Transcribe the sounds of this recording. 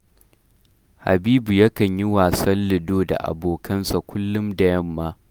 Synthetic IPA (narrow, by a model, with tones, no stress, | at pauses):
ha̰˨biː˦bu˨jɐ˦kɐ˨ɲji˦waː˨sɐ˦lːɪ˨doː˦da̰˨ʔa̰˨boː˨kʰɐ˦nsa˨kʷʊ˦lːʊ˦mdɐ˨jɐ˦mːaː˦